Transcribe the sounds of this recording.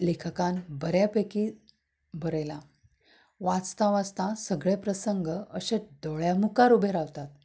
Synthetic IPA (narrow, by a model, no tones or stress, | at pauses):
lekʰkanbəɾjapəki | bʱəɾjla | ʋat͡st̪aʋat͡st̪ãsəɡɭepɾəsəŋɡəəɕẽd̪oɭjamukaɾubʱeɾaʋt̪at̪